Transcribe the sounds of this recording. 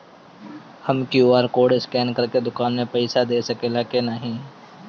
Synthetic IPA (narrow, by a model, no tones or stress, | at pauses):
hɐəmkjuaːɾkoːɖɪskɛːnkɐɾked̪ʊkaːnmẽpɛɪsad̪eːsɐkelaːkenəɦĩː